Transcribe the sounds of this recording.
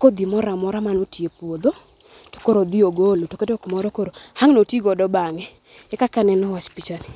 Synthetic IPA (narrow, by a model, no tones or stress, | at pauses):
kod̪imɔɾamɔɾamanotiepod̪o | to̥koɾod̪ioɡolotoketokmɔɾɔkoɾohaŋnotiɡɔdɔbaŋɛ | ɛkakanɛnɔwat͡ʃpit͡ʃani